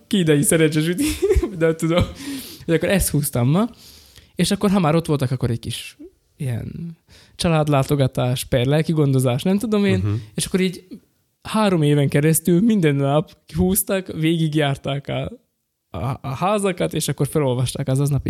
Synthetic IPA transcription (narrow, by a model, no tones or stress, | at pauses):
kiːd̪ɛjisɛɾɛɲt͡ʃɛʃ̬ut̪iod̪ɛt̪ːud̪o̞mho̞ɟɒkːoɾɛst̪huːst̪ɒmːɒ | eːʃɒkːo̞rɦɒmaːɾo̞t̪ʋo̞lt̪ɒkɒkːoɾɛɟkiʃ | iɛ̰n | t͡ʃɒlaːd̪laːt̪o̞ɡɒt̪aːʃpɛrlɛlkiɡo̞nd̪o̞zaːʃnɛmt̪ud̪o̞meːneːʃɒ̥kːo̞ɾiːɟ | haːɾo̞meːvɛŋkɛɾɛst̪ylmind̪ɛnːɒpkiɦuːst̪ɒkʋeːɡiɡjaːrt̪aːkɒ̰ | haːzɒkɒt̪eːʃɒkːo̞rfɛlo̞lvɒʃt̪aːkɒzɒznɒpi